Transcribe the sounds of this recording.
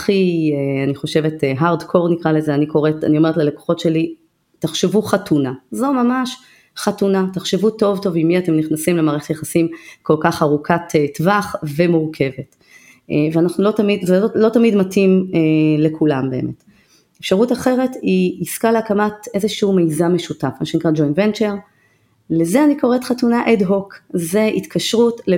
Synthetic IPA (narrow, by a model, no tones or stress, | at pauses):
χieaniχo̞ʃe̞veteɦaʁdkʰo̞ʁnikʁalezeaniko̞ʁeta̰nioetleleko̥χo̞tʃe̞li | taχʃevuχatunazo̞mamaʃ | χatunataχʃevuto̞vto̞vimːiate̞mniχnasimlemaːʁe̞χetjeχasimko̞lkaχaʁukʰatetvaχve̞muʁkʰe̞vet | veanaχnulo̞tamidvelotamidmatimele̞kʰulambe̞ḛmʔe̞t | efʃaʁutaχe̞ʁe̞tiiskaleakamate̞zeʃiumejzame̞ʃutafmaʃenikʁad͡ʒojnvent͡ʃe̞ʁ | lezeaniko̞ʁetχatunaʔedɦo̞kze̞ʔit̪kʰaʃʁutle